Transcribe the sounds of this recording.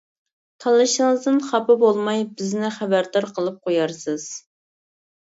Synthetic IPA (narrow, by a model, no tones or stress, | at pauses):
t̪ʰɑlˠːɨʃəŋɨzd̪ɨnχɑpɨbolˠmɑjbɪznɪχæbæɾd̪ɑɾqʰəlˠɨp̚qʰojɑɾsɨz̥